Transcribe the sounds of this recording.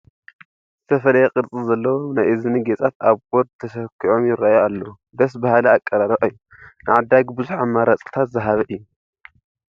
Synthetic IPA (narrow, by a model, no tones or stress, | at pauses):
z̥ɨt̪ʰɐfɐlɐjeqʼɨɾt͡sʼɨzɐlːɐwonajʔɨzɨniɡet͡sʼat̪aβɡoɾd̪t̪ʰɐʃɐkʰːiʕomjɪɾajoalːɐwu | d̪ɐs̬bahalɐakʼːɐɾaɾɐʔʼɨjːu | nɨʕad̪ːaɡbɨzuħamːaɾat͡sʼt̪ʰat̪zɐɦaβɐʔɨjːu